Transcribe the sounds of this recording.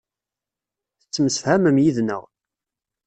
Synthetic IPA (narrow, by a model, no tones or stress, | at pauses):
θət͡sːəməsfhæməmjiðnə̰ʁ